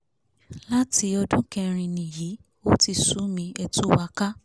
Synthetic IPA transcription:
la˦ti˧ɔ˧dũ˦kɛ̃˧ɾ̃ĩ˧nĩ˨ji˨˦ | o˦ti˧˨su˨˦mĩ˧ɛ˧tu˦wa˧ka˦

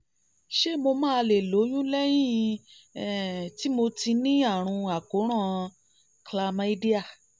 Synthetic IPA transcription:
ʃe˦˨mo˧mãː˦˧le˨lo˨˦j̃ũ˦lɛ˦j̃ĩ˦˨˧ | ɛ˨ti˦mo˧ti˧nĩ˦a˦˨ɾ̃ũ˧a˨ko˨˦ɾ̃ã˦˨ | kla˧ma˧˦i˦di˦a˦˨

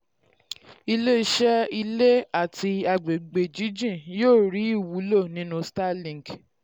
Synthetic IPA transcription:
i˧le˦i˧ʃɛ˦i˧le˦a˦˨ti˧a˧ɡ͡be˨ɡ͡be˨d͡ʒi˨˦d͡ʒĩ˦˨joː˦˨ɾi˨˦i˦˨wu˨˦lo˦˨nĩ˦nũ˧sta˦lĩ˦˨ŋ˨ɡ

